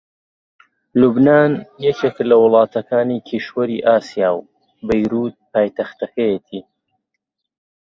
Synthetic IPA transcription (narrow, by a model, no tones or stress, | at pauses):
lubnaːnjɛt͡ʃeklɐwʊlˠɑːt̪ʰɐkʰaːnikʰiʃwɐɾiːʔaːsijaːw | bɐjɾuːt̪̚paːjt̪ɐxt̪ɐkɐjet̪ʰiː